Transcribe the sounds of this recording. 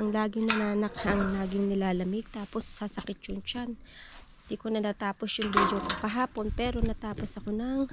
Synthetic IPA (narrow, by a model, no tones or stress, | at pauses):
ʔɐŋlaːɡɪnɐnaːnɐkɐŋnaːɡɪŋnɪlaːlɐmɪɡ̚t̪aːpo̞sːasɐkɪt̪̚t͡ʃʊŋt͡ʃan | d̪iːkonɐnat̪aːpo̞sjʊŋbiːd̪okopɐɦaːpo̞npɛɾo̞nɐt̪aːpo̞sɐko̞nɐŋ